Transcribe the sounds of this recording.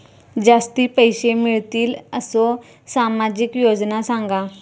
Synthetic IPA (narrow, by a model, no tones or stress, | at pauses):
d͡ʒaːst̪iːpəɪʃemɪɭt̪iːləsõ | saːmaːd͡ʒɪkjoːd͡ʒnasãːŋɡaː